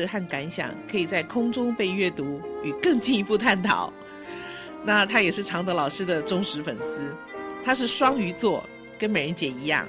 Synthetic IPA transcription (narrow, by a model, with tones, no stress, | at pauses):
xa˥˩nka˧˥nɕjɑ̰˨˩ŋkʰɤ˧˥i˨˩t͡sa˥˩ɪkʰʊ˥ŋʈ͡ʂʊ˥ŋpe˥˧ɪɥɛ˥˩t̪u˧˥y˨˩kɤ˥˧ŋt͡ɕi˥˧ni˧˥pu˥˧t̪ʰa˥˩nt̪ʰɑ̰˨˩˦ʊ | na˥˨t̪ʰa˥jɛ˨˩ʂɻ̩˥˩ʈ͡ʂʰɑ˧˥ŋd̪ə˧lɑ˨˩ʊʂɻ̩˥d̪ə˨ʈ͡ʂʊ˥ŋʂɻ̩˧˥fə̰˨˩nsɹ̩˥ | t̪ʰa˥ʂ̬ɻ̩˥˩ʂwɑ˥ŋy˧˥t͡swɔ˥˩ | kə˥nme˨˩ɪɻə˧˥nt͡ɕjɛ˨˩i˧˥jɑ̰˥˩ŋ